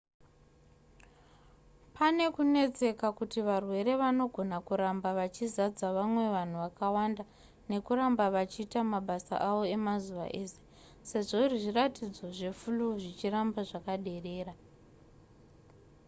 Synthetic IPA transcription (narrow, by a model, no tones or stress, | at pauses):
pʰane̞kune̞t͡se̞kakutiʋarwe̞ɾe̞ʋano̞ɡʱo̞nakuɾambaʋat͡ʃizad͡zaʋamwe̞ʋan̤uʋakawanda | ne̞kuɾambaʋat͡ʃiːtamaɓasa̰ʔaʋo̞e̞mazuʋa̰ʔe̞se̞̥ | se̞ʐo̞iriʐiratid͡zo̞ʐe̞fuluʐit͡ʃirambaʐakaɗe̞re̞ːɾa